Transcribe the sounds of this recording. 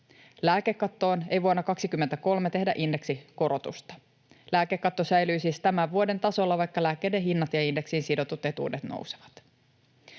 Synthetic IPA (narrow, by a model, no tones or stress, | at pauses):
læːkekːɑt̪ːo̞ːne̞jʋuɑnːɑkɑksikymːent̪æko̞lme̞t̪e̞ɦdæʔinde̞ksiko̞ɾot̪ṵst̪ɑ̥ | læːkekːɑt̪ːosæjlyːsist̪æmæʋʋuode̞nt̪ɑso̞lːɑʋɑjkːɑlæːkːˑe̞jde̞ɦinːɑt̪jɑinde̞ksinsido̞t̪ut̪ːet̪ṵːdet̪no̰wse̥ʋɑ̥t̪